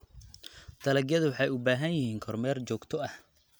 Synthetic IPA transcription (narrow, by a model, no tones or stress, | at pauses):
d̪̥ɐlɐɡjɐðʊwɑħɑjʊbaːɦɐnjɪhiːŋkʰɔrmɛːrt͡ʃɔːɡt̪ʰɔɐh